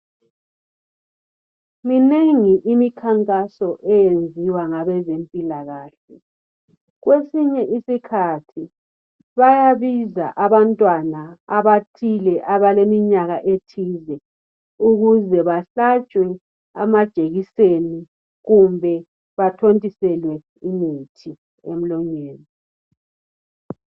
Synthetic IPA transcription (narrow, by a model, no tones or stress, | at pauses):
mineŋiʔimikʰaŋkʼasɔʔɛjend͡zʱiwaŋaβɛzempʼilaɣaːɬɛ | ɣwesiɲɛʔisikʰatʰi | βajaβiza̰ʔaβantʼwanaaβatʰilɛʔaβalemiɲaɣaʔetʰiːzɛ | uɣuzɛβaɬat͡ʃʼwɛ | a̰mad̥ʒ̥ʱeɣiseni | ɣumbʱɛ | βatʰontʼisɛlwɛ | imitʰi | ḛm̩lɔɲeːni